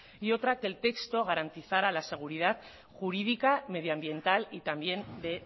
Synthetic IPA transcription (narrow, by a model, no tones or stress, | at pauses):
io̞t̪ɾake̞lt̪e̞kst̪o̞ɣ̞aɾant̪iθaɾalase̞ɣ̞uɾið̞at̪ | xuɾið̞ikame̞ðjoambje̞nt̪alit̪ambje̞nd̪e̞